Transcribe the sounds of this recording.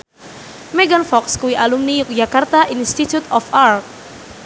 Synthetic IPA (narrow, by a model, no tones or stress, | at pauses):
mɛɡanfɔkskuwiʔalumnijʊk̚d͡ʒakart̪aʔinst̪it̪jut̪ɔfart̪̚